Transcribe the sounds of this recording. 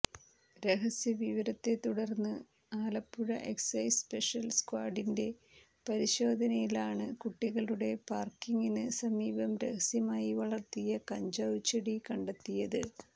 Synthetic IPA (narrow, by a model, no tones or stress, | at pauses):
ɾeɦɐsjɐʋiʋɐɾɐt̪ːe̞t̪uɽɐrnːɨ | aːlɐpːuɻɐ̰ʔe̞ksɐjspe̞ʂɐlskwaːɖinde̞ | pɐɾiɕo̞ːd̪ʱɐnɐjilaːɳɨkuʈːiɣɐɭuɽe̞paːrkiŋɡinɨsɐmiːbɐmɾehɐsjɐmaːjiʋɐɭɐrt̪ːijɐkɐɲd͡ʑɐwt͡ɕːɐɽikɐɳɖet̪ːijɐðɨ